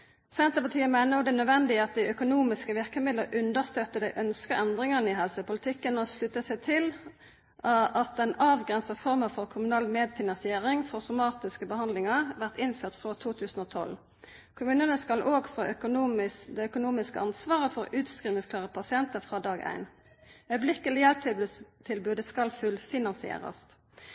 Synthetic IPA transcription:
sɛnt̪əpɑt̪ʰiːəmæɪnəʁʊd̪ɛnœd̪ʋɛnd̪ɪɑt̪̚d̪æɪœkʊnuːmɪskəʋɪʁkəmɪd̪ləʔʉnd̪əʁst̪œt̪ːəd̪æɪʔœnskəʔɛnd̪ʁɪŋəʁnɪɦɛlsəpʊlɪt̪ʰɪkːənɔslʉt̪ːəsæɪt̪ʰɪl | ɑt̪̚d̪ɛnɑːʋɡʁɛnsəfɔʁməfɔʁkʰʊmʉnɑːlmeːd̪fɪnɑnsɪeːʁɪŋfɔʁsʊmɑːt̪ɪskəbəhɑnd̪lɪŋəʁʋæʁt̪ɪnføːʁt̪fʁot̪ʰuːt̪ʰʉːsən̩oːt̪ʰɔ̰l | kʰʊmʉːnənəskɑlʔoːɡfʁɑʔœkʊnuːɪd̪ɛœkʊnuːmɪskə̰ɑnsʋɑːʁəfɔʁʉːt̪skʁiːmɪŋskʰlɑːʁəpʰɑsɪɛnt̪əfʁɑːd̪ɑːɡæ̰ɪn | œʏblɪkəlɪjɛlp̚t̪ʰɪt̪ʰɪlbʉːd̪əskɑlfʉlfɪnɑnsɪḛːʁə̰st̪

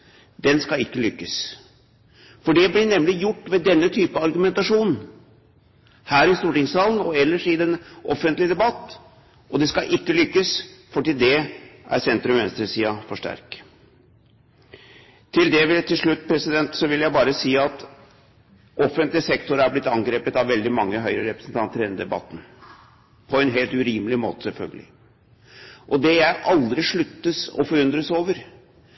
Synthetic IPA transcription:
d̪ɛnskɑɪkːəlʏkːəs | fɔɖɛblɪɳɛmlɪjʊʈːʋɛd̪ɛnːət̪ʰyːpəɑɾɡʉmɛnt̪ɑʂuːnn̩ | hæːɾɪst̪uːʈɪŋsɑːln̩ɔɛlːəʂɪd̪ɛnɔfːənt̪lɪd̪ɛbɑt̪ː | ʔɔd̪ɛskɑʔɪkːəlʏkːəsfɔʈiːld̪ɛʔæ̰ɾsɛnt̪ɾʉmʋɛ̰nst̪ɾəsiːɑfɔʂʈæ̰ɾk | t̪ʰɪld̪ɛʋɪt̪ʰɪlʂɭʉt̪ːpʰɾɛsɪd̪ɛnt̪sɔʋɪljæɪbɑːɾəsiːɑt̪ | ʔɔfənt̪lɪsɛkt̪ʊɾæɾblɪt̪ːɑŋɡɾeːpət̪ɑʋʋɛld̪ɪmɑŋːəɦœʏɾəɾɛpɾəsn̩t̪ʰɑnt̪ʰəɾɛnəd̪ɛbɑ̰t̪ːn̩ | pʰɔɛnɦeːlt̪ʉɾiːməlɪmo̰ːt̪ə̥sɛlfœ̰lɡəlɪ̰ | ʔɔd̪ɛjæɪʔɑld̪ɾɪʂɭʉt̪ːəsɔ̰fɔɾʉnd̪ɾəsoːʋəɾ

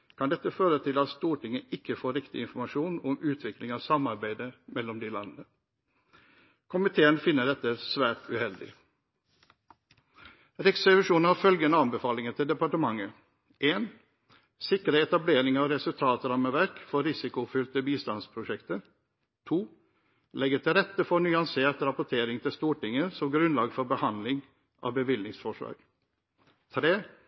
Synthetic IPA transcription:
kʰɑnd̪ɛt̪ːəføːɾət̪ʰɪlɑt̪st̪uːʈɪŋəʔɪkːəfoːɾɪkt̪ɪ̰ɪnfɔɾmɑʂuːnɔmʉːt̪ʰʋɪklɪŋɑʋsɑmɑɾbæɪd̪əmɛlːɔmd̪ɪlɑnənə | kʰʊmɪt̪ʰeːənfɪnːəɖɛt̪ːəsʋæːʈʉhɛld̪ɪ̰ | ɾɪksɛʋɪʂuːnn̩hɑɾfœlɡənəɑnbəfɑːlɪŋət̪ʰɪld̪ɛpɑʈəmɑŋːə | ʔeːn | sɪkəɾəɛt̪ɑbleːɾɪŋɑːʋɾɛsʉlt̪ʰɑːt̪ɾɑməʋæɾkfɔɾɪsɪkʊfʏlt̪əbiːst̪ɑnspʰɾʊʂɛkt̪əɾ | t̪ʰuː | lɛɡət̪ʰɪlɾɛt̪əfɔnyːɑnseːʈ̪ɾɑpʊʈʰeːɾɪŋt̪ʰɪlst̪uːʈɪŋːəsɔmɡɾʉnlɑːɡfɔɾbəhɑnd̪lɪŋ | ʔɑ̰ːʋbəʋɪlnɪŋsfɔʂlɑ̰ːɡ̥ | t̪ʰɾeː

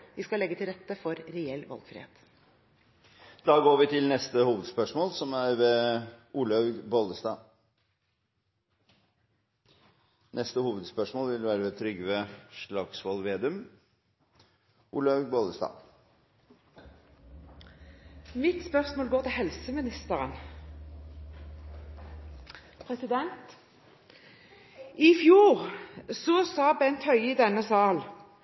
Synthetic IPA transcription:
ʋɪskɑlɛɡːət̪ʰɪlɾɛt̪ːəfɔɾɾɛɛlːʋɑ̰lɡfɾɪ̰ːḛːt̪ | d̪̥ɑːɡoːɾʋɪt̪ʰɪlnɛst̪əhuːʋəd̪spœʂmoːlsɔmæɾʋɛʔuːlɑʉɡboːld̪əst̪ɑː | nʔɛst̪əhuːʋəd̪spœʂmoːlʋɪlʋæːɾəʋɛt̪ʰɾʏɡːəʋɛʂɭɑɡsʋɑlʋeːd̪ʉm | ʔulɑboːləst̪ɑ̰ː | mɪt̪spœʁsmoːlɡoːʁt̪ʰɪlhɛlsəmɪnɪst̪əʁən | pʰʁɛsɪd̪ɛnt̪ | ɪfjuːʁsɔsɑːbɛnt̪hœʏɪd̪ɛnːəsɑːl

